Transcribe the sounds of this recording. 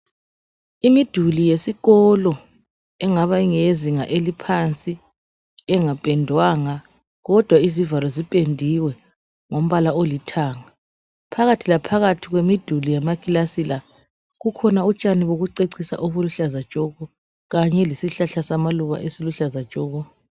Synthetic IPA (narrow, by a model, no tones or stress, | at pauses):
imid̥ʱulijesiɣɔlɔ | ɛŋaβaiŋeziŋaʔelipʰant͡sʼi | ɛŋapʼɛndʱwaːŋa | ɣɔd̥ʱwaizivalɔzipʼendʱiwɛ | ŋom̩βalaolitʰaːŋa | pʰaɣatʰilapʰaɣatʰiɣwemid̥ʱulijamakʼilasila | ɣukʰɔnaut͡ʃʼaniβoɣuǀeǀisa̰ʔoβuluɬazad̥ʒ̥ʼʱɔɣɔ | ɣaɲɛlisiɬaɬasamaluβa̰ʔesiluɬazḁʒ̥ʼʱɔːɣɔ